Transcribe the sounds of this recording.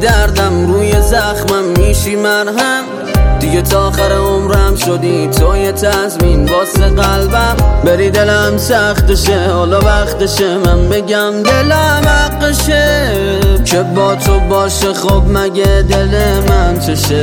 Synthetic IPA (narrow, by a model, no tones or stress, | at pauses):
d̪æɾd̪æmɾuːjezæχmæmːiːʃiːmænɦæm | d̪iɟet̪ʰɒːxæɾeomɾæmʃod̪iːt̪ʰoːjet̪ʰæzminbɒːseɣælbæmbeɾiːd̪e̞læmsæχt̪eʃehɒːlɒvæχt̪eʃemænbe̞ɟæmd̪elæmhæqːeʃe | kʰebɒːt̪ʰobɒːʃeχob̚mæɟed̪elemænt̪ʰoʃe